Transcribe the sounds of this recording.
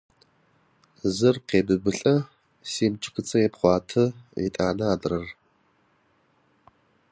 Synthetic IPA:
zɨrqeːbɨbɨɬʼɐ | siːmt͡ʃʰʼɪ̥kʷʰɨt͡sʰʼɐeːpχʷɑːtʰɐḭtʼaːnɐaːdɨrɐr

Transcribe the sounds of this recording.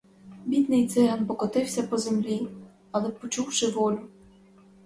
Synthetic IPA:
bʲid̪nɪjt̪sɪɦɐnpɔkɔt̪ɪwsʲɐpɔzemlʲi | ɐlˠɛpɔt͡ʃuwʃɪʋɔlʲʊ

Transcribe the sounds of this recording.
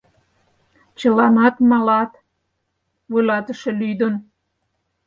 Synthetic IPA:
t͡ɕə̆lɑnɑt̪mɑlɑt̪ | βujlɑt̪əʃelyd̪ən

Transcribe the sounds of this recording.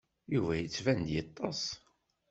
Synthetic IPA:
juvæjət͡sːvænd̪jɑt̪ˤːɑs

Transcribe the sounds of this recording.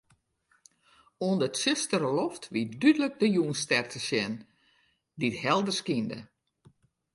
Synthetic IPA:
oəndətsɪstəɾəlɔftʋitdydələk̚dəjuənstɛrtʰəsjɛn | dithɛlˠdərskində̰

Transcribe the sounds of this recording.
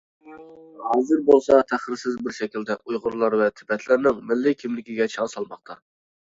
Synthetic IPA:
hɑːzɨɾbolˠsɑt̪ʰæχɪɾsɪzbɪɾʃɛkʲild̪ɛʔujʁʊɾlˠɑɾvɛt̪ʰɪ̥pɛt̪ʰlɪɾnɪŋmɪlːɪkʲʰimlɪkʲiɡʲɛt͡ʃʰɑŋsɑlˠmɑχt̪ʰɑ

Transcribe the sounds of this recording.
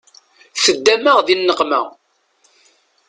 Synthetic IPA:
θəd̪ːæməʁðinːəqmæ

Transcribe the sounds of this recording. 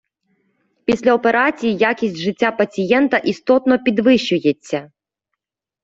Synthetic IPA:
pʲisʲlʲɐɔpeɾat͡sʲijijakʲisʲtʲʐɪtʲːapɐt͡sʲijɛnt̪ɐʔist̪ɔt̪nɔpʲid̪ʋɪɕːʊjet͡sʲːɐ

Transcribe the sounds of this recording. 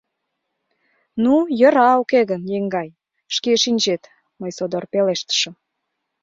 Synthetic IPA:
nujə̆ɾɑokeɣənjeŋɡɑj | ʃkeʃinʲd͡ʑet̪ | məjsod̪orpeleʃt̪ə̥ʃə̆m

